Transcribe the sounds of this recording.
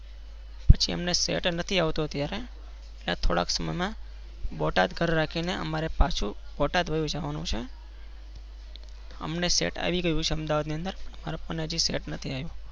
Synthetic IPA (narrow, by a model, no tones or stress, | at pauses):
pət͡ʃʰiə̰mnesḛʈnət̪ʰiaʋt̪ot̪jaɾe | ela̰t̪ʰoɽa̰ksəmə̰jmã | bɔʈad̪ɡʱəɾɾakʰineəmaɾepat͡ʃʰubɔʈad̪ʋəjũd͡ʒaʋanṵ̃t͡ʃʰe | ə̰mnesḛʈa̰ʋiɡəjũt͡ʃʰeəmd̪aʋad̪niənd̪əɾpəɳəma̰ɾopənad͡ʒiseʈnət̪ʰiajũ